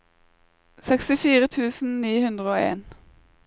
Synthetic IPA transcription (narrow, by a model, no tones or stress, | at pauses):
sɛkst̪ɪfiːʁət̪ʰʉːsn̩niːhʉnd̪ʁəoːḛːn